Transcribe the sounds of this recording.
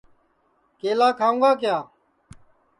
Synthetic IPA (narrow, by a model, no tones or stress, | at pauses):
keːlaːkʰaːũːɡaːk̬jaː